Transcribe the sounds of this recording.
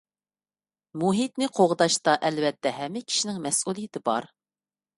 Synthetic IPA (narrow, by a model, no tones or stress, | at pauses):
muɦit̪nɪqʰoʁəd̪ɑʃt̪ɑʔɛlvɛt̪ʰːɛɦɛmːɪkʲʰi̥ʃinɪŋmɛsʔulˠijɪt̪ʰɪbɑ̰ɾ